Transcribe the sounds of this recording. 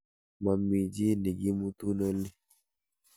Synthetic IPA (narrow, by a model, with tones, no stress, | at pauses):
ma˨mi˨d͡ʒi˦ni˨ɡi˦mu˦t̪u˦nɔ˦li˦